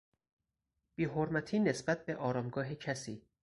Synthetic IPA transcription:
b̥iːɦoɾmæt̪ʰiːne̞sbæt̪̚be̞ʔɒːɾɒːmɡɒːɦecʰæsiː

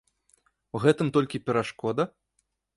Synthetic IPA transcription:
wɣɛt̪ɨmt̪ɔlʲkʲipʲɛɾaʂkɔd̪ɐ

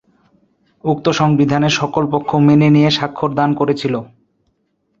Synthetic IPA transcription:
uk̚t̪oʃɔŋbid̪ʱaneɾʃɔkolpokʰːomenenijeʃakʰːoɾd̪ankoɾet͡ɕʰilo

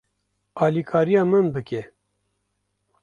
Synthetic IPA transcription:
ɑːlikʰɑːɾijɑːmɨnbɨkɛ

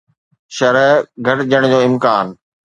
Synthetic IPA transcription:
ʃɐɾəɡʱɐʈd͡ʑəɽ̃d͡ʑoːɪmkaːn

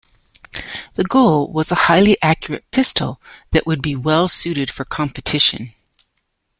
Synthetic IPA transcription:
ðɨɡoʊlˠwʌzəhaɪlˠiʔækjə˞ɨ̰t̚pʰɪstʰl̩ˠðɨʔwʔɨd̚biwɛlˠsʉɾɨd̥fə˞kʰɑ̃mpɨtʰɪʃɨ̰̃n

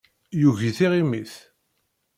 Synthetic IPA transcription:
juʝiθiʁimiθ

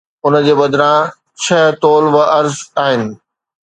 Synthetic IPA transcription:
ʊnə̆d͡ʑeːbɐd̪ʱɾã | t͡ɕʰɐɦt̪oːlʋəʔɐɾzaːɦɪnɪ̆

